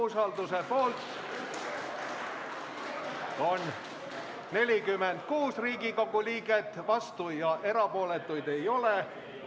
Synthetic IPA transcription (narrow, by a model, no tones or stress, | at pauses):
sɑld̪usepoːlt̪ | on | ne̞lʲikymːent̪kuːsriːkikokulʲiːket̪ːʋɑst̪ujɑʔe̞ɾɑpuolet̪ːujd̪ejole